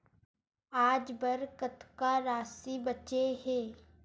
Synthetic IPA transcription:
aːd͡ʒbəɾkət̪kaɾaːsibɐt͡ʃeɦeː

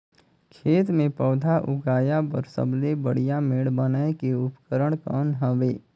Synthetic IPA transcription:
kʰeːt̪mẽpɔːd̪ʱaʔʊɡaːjabə̰ɾsə̰blebəɽ̤ijameːɽbənaekeʊpkəɾəɽ̃kɔːnɦəʋeː

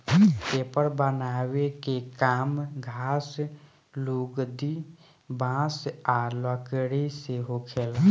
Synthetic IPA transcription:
tepəɾbənaːwekekaːmɡʱaːs | luːɡd̪i | bãːsaləkəɽiseɦokʰel

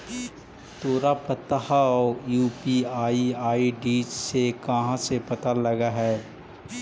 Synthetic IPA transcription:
t̪oːɾapɐt̪ahaɔːjuːpiaːiaːiɖiːd͡ʒsekɐɦãsepɐt̪alɐɡaɦɛː

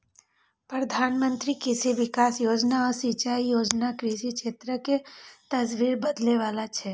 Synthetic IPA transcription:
pɾəd̪ʱanmənt̪ɾikɪʃiʋɪkasjod͡ʒnaəsit͡ʃaijod͡ʒnakɾiʃikʃet̪ɾəket̪əsʋiɾbəd̪leʋalat͡ʃʰe

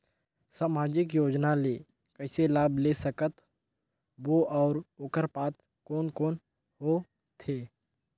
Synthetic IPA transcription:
saːmaːd͡ʒɪkjoːd͡ʒnaleː | kəɦɪselaːbʱlesəkət̪ | ʋoʔɔːɾoːkəɾpaːt̪ | koːnkoːn | ɦo | t̪ʰeː

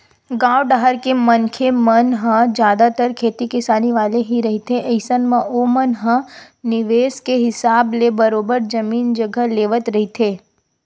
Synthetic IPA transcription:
ɡaːwɖaɦəɾkemɐnkʰemənɦə̃d͡ʒjaːd̪at̪əɾkʰeːt̪ikɪsaːniʋaːleɦiɾɐɦit̪ʰeʔəɪsənmẽʔomɐnɦə̃ | nɪʋeːskeɦɪsaːblebɐɾoːbəɾd͡ʒɐmiːnd͡ʒɐɡʱəleːʋət̪ɾɐɦit̪ʰeː

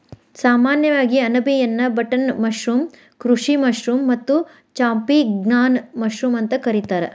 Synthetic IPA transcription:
saːmaːnjɐʋaːɡiɐnɐbʱijɐnːɐbɐʈɐnmɐʃɾum | kɾuʂimɐʃɾumːɐt̪ːu | t͡ʃaːmpiɡnaːnmɐʃɾumɐnt̪ɐkɐɾit̪aːɾḛ

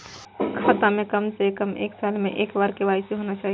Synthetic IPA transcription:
kʰat̪amẽkəmsekəmḛːksalmeʔekbaɾkebaisiɦonat͡ʃaːɦi

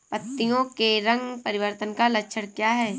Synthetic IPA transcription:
pɐt̪ːijõkeɾɐ̃ŋɡpɐɾɪʋəɾt̪ənkalɐkʃʰəɽ̃kjaːɦɛː

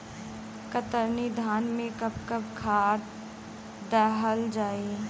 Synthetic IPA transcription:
kət̪əɾnid̪ʱaːnmẽkəb̚kəb̚kʰaːt̪ | d̪ɛːɦəld͡ʒaːe

